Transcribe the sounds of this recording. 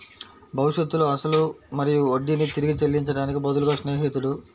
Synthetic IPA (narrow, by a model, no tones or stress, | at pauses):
bʱɐʋwiʃet̪ːuluɐsɐlumɐɾijuoɖːinit̪iɾiɡit͡ʃelːiɲt͡ʃɐɽaːnikibɐd̪uluɡɐːʂneːɦit̪ːuɽu